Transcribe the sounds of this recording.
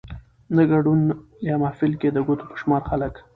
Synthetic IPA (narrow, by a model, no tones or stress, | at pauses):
naɡaɖun | jɑmahfɪlked̪əɡot̪o̥pə̥ʃmɑɾxalək